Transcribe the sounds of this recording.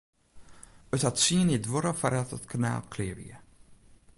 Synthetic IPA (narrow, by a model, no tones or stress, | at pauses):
əthatsiənidʋoɾəfaɾatətkʰana̰ːlˠkʰlɪːəvḭə